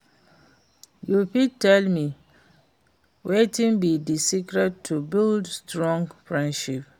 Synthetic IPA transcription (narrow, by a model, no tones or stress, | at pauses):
jupitʰːɛlmĩ | wetĩnbidisikɾɛtʰːubildstʰɹɔ̃ŋɡfɹɛ̃ndʃip̚